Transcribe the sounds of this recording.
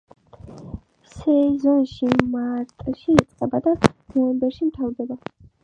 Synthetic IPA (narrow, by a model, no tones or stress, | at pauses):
sɛzɔnʃimaɾt̪ʼʃiːt̪sʼqʼɛbad̪anɔvɛmbɛɾʃimt̪ʰavɾd̪ɛba